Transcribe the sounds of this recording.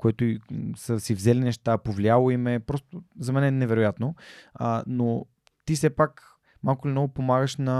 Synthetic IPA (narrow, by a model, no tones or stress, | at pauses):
koɛt̪oisəsivzɛlinɛʃt̪apovlialˠoimɛpɾɔst̪ozɐmɛnɛnɛvɛɾojat̪noəno | t̪isɛpak | malˠkʊlimnɔɡʊpomaɡəʃnɐ